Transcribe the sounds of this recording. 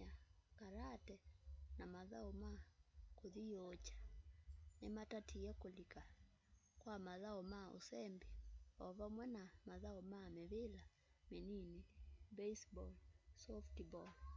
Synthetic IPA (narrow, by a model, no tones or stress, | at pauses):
akaɾatɛnamaðaomakoðiot͡ʃḁ | nematatʰiakolika | kwamaðaɔmao̰sɛmbeɔβamwɛnamaðaɔmameβela | meninibɛisbɔlsɔftibɔl